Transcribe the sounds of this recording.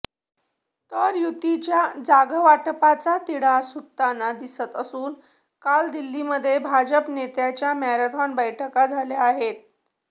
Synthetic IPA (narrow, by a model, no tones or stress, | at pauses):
t̪əɾjut̪it͡ɕjad͡zaɡəʋaʈpat͡sat̪iɽasut̪anad̪isət̪əsuːn | kald̪ilːiməd̪ʱːjebʱad͡ʑəpnet̪jat͡ɕjamaɾat̪ʰɔnbəjʈʰəkad͡zʱalaaɦet̪̚